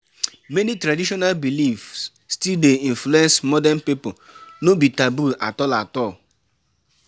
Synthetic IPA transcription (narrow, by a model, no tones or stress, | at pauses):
menitɾadiʃɔnalbilifsː | tildeĩnfluɛ̃nsmɔdɛnpiponobitabula̰tɔlatɔl